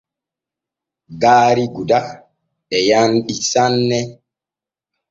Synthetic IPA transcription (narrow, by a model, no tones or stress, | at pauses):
ɡaːɾiɡuda | ɛjanɗisanːɛ